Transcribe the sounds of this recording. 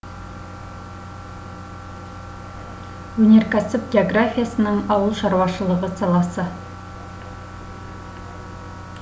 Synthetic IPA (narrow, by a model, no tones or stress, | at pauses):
wɵne̞ɾkʲæsɪp̚ɡʲeoɡrafʲijasənəŋɑwəlˠʃɑɾwɑʃəlˠəʁəsɑlˠɑsə